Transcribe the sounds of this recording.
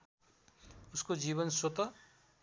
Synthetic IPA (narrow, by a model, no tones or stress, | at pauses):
uskod͡ʒiβʌnsot̪ʌ